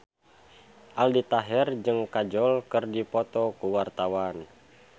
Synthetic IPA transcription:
ʔaldit̪aɦɛrd͡ʒɨŋkad͡ʒɔlkɨrdipɔt̪ɔkuwart̪awan

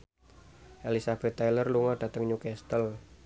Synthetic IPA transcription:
ʔelisab̥ɛt̪ːajlərluŋaɖ̥a̤t̪əŋɲukɛst̪əl

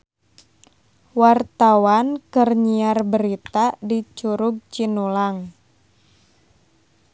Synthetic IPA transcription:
wart̪awankərɲiarbəɾit̪adit͡ʃuɾuɡ̚t͡ʃinulaŋ

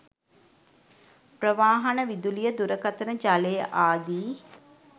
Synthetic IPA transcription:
prəʋaːɦɐnəʋid̪ulijəd̪uɾəkat̪ənəd͡ʒalejəʔaːd̪iː

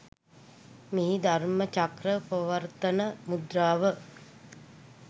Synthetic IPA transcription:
miɦid̪armət͡ʃakɾəpəʋərt̪ənəmud̪ɾaːʋə

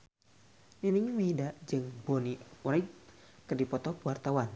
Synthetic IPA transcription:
niniŋməidaʔd͡ʒɨŋboniuɾai | kərdipɔt̪ɔkwart̪awan

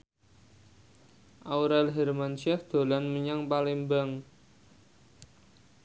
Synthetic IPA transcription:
ʔawɾalɦɛrmansɛfd̪̥o̤lanməɲaŋpalimbaŋ

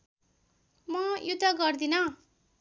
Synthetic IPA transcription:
mʌjud̪ʱːʌɡʌrd̪inʌ

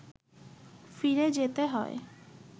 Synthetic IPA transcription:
fiɾed͡ʑet̪eɦɔ̰e

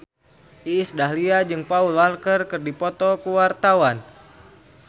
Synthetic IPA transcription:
ʔiːsdaɦliad͡ʒɨŋpaulalkərkɨrdipɔt̪ɔkuwart̪awan

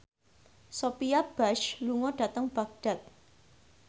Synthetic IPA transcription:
sopiab̥aʃluŋɔɖ̥a̤t̪əŋb̥aɡ̚ɖ̥a̤t̪̚

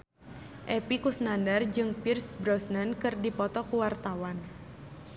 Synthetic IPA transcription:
ʔɛpikusnandard͡ʒɨŋpirsbɾɔsnənkɨrdipɔt̪ɔkuwart̪awan

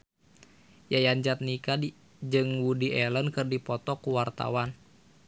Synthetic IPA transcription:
jajaɲd͡ʒat̪̚nika | d͡ʒɨŋwudiɛlənkɨrdipɔt̪ɔkuwart̪a̰wan

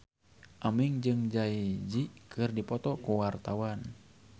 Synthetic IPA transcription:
ʔamiŋd͡ʒɨŋd͡ʒaid͡ʒikɨrdipɔt̪ɔkuwart̪awan

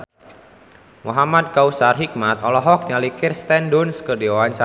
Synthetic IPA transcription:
muɦamad̪̚kausarɦik̚mat̪ɔlɔɦɔk̚ɲalikirst̪ɛndʊnskərdiawaɲt͡ʃa

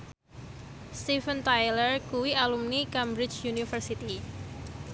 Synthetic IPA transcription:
st̪ifənt̪ajlərkuwialumnikambɾɪt͡ʃjunifərsit̪i

